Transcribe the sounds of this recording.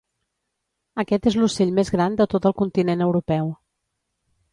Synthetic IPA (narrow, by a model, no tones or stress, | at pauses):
əkɛt̪ezluseʎmezɣɾand̪ət̪ot̪əlˠkunt̪inenəwɾupɛw